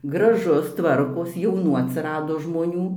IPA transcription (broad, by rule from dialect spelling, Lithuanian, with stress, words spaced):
ɡrɐˈʒʊs ˈtʋɐrkoːs jɛʊˈnuː ɐtʲsʲɪˈrɑːdoː ʒmoːˈnʲuː